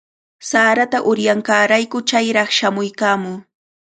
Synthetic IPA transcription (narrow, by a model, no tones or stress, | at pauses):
saːɾat̪aʔʊɾjaŋkaːɾajkʊt͡ʃajɾɑχʃamʊjkaːmʊː